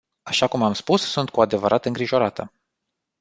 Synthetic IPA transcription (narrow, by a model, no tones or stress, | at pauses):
aʃakumamspussunt̪̚kuad̪e̞vəɾʔat̪ɨŋɡɾiʒo̞ɾat̪ə